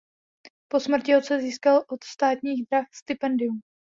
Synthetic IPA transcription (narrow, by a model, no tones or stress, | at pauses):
po̞smr̩cɪot̪t͡sɛziːskalʔo̞t̪st̪aːt̪ɲiːɣd̪ɾaxst̪ɪpɛndɪum